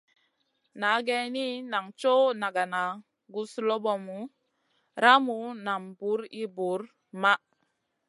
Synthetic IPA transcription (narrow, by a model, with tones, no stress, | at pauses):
na˨˦ɡe˦ni˦na˨ŋt͡ʃo˦na˨ɡa˨na˨ | ɡu˦slo˦bo˨mu˨˦ | ɾa˦mu˨˦na˨mbu˨˦ɾi˦bu˨˦ɾ | ma˦